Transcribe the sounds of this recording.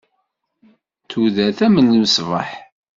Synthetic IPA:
θuðæθæmənːəməsvəħ

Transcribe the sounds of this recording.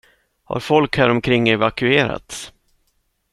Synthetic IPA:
ha̰ɾfɔlkhæɾɔmkʰɾɪŋːɛvakɵeːɾa̰t̪s

